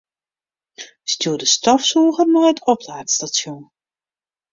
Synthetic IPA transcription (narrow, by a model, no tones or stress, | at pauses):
stjuːdəstɔfsuːɣərmɔjətʰɔplaːtstasjun